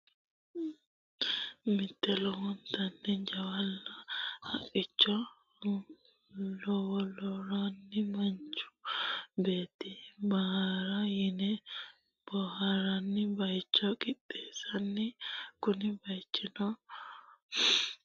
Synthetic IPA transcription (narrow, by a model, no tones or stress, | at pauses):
mɪt̪ːɛlɔhʊnt̪ːɐnːɛd͡ʒɐwɐlːɐhɐkʼːɪt͡ʃːɔ | lɔwɔlɔɾanːɪmɐnt͡ʃːʊ̥be̞ːt̪ːɪbɐhaɾɐjɪnɛ | b̥ɔhɐɾɐnːɪbɐjt͡ʃːɔkʼɪt̪ʼːeːsɐnːɛkʊnɪbɐjt͡ʃːɪnɔ